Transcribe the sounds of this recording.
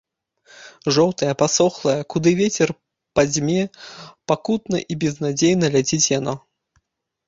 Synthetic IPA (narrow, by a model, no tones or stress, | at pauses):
ʐɔwt̪ɐjɐpasɔxlˠɐjɐkud̪ɨvʲet͡sʲɛr | pazʲmʲɛpakut̪nɐ̰ʔibʲɛznad͡zʲejnɐlʲad͡zʲit͡sʲjanɔ